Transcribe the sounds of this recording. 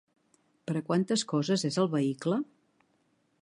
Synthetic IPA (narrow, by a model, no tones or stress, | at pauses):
pəɾəkwant̪əskɔzəzezəlˠβəiklə